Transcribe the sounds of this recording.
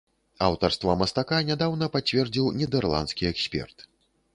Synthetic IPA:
a̰wt̪ɐrst̪vamɐst̪akanʲad̪awnɐpat͡sʲvʲɛrd͡zʲiwnʲɛd̪ɛrlˠa̰nskʲiɛksʲpʲɛ̰rt̪

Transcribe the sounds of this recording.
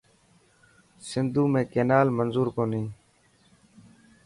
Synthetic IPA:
sɪnd̪uːmẽːkeːnaːlmənzuːɾkoːnĩː

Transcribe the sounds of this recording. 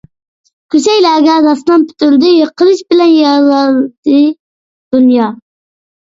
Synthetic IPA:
kʲʰyt͡ʃɛjlæɡʲæd̪ɑsnɑnpʰy̥t̪ʰyld̪ɪjəqʰːəlˠɨʃbɪlɛnjɑlɑlˠd̪̥ɨ | d̪̥unjɑ

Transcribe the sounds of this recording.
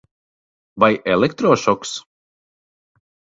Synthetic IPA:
vajɛlˠekt̪ɾɔːʃɔks

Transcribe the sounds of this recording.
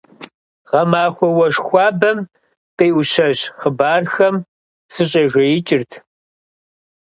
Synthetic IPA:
ʁɐmaːxʷɔwɐʂxʷɑːbɐm | qʼijʔʊɕɐʑχəbaːrxɐm | sɨɕ̬ʼeːʒʷɐjɪt͡ʃʼɪrtʰ

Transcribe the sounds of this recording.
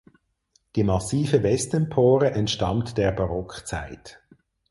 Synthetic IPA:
d̥iːmɑsiːfəvɛstənpʰoːʁəʔɛntʃtɑ̰ntd̥eːɐbɑʁɔkχt͡sa̰ɪt

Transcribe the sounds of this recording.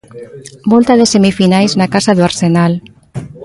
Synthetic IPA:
molt̪aðesemifinajznakasaðoaɾsenal

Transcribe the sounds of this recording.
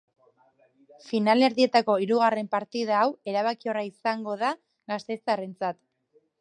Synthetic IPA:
finale̞ɾðie̞t̪ako̞iɾuɣ̞are̞mpaɾt̪iðaːwe̞ɾaβakio̞raisaŋɡo̞ð̞a | ɣast̪e̞t͡sare̞nt͡sat̪

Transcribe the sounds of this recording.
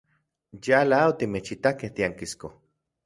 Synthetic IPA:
jalaot̪imet͡ʃit̪akeht̪iaŋkisko

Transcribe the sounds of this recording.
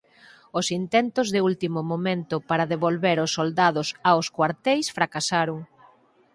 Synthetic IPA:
ʊsint̪ɛnt̪ʊzðɪult̪imʊmomẽnt̪ʊpaɾaðeβolβeɾʊsːold̪að̞ʊsaʊskwaɾt̪ɛjsfɾakasaɾʊŋ

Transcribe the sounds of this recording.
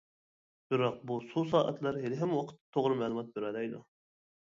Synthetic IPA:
b̥ɪɾɑq̚bususɑːʔə̰t̪lˠɑɾɦelɪɦɛmwɑqʰə̥t̪̚ːɨ̥t̪ʰoʁɾɨmɛlˠɨmɑt̪̚beɾɑd̪ɛjd̪ṵ

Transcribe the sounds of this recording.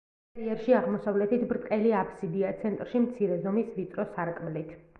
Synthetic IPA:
ɾiɛɾʃiaʁmɔsavlɛt̪it̪ʰbɾt̪ʼqʼɛliapʰsid̪iat̪sʰɛnt̪ʼɾʃimt̪sʰiɾɛzɔmisvit̪ʼɾɔsaɾkʼmlit̪ʰ

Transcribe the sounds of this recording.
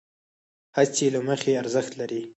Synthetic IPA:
hat͡selaməxeaɾzəxt̪laɾi

